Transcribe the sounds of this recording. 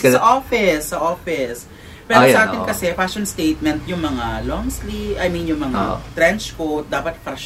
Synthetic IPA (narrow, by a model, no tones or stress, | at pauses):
sɐʔofɪsːɐʔoːfɪs | pɛːɾoɐʔaːɪnkɐsɛfasonst̪ejt̪̚mɛnt̪̚jʊŋmɐŋalɔŋsliʔɐjminjʊŋmɐŋa̰t̪ɾɛnt͡ʃkowt̪̚d̪aːpɐt̪fɾɐʃ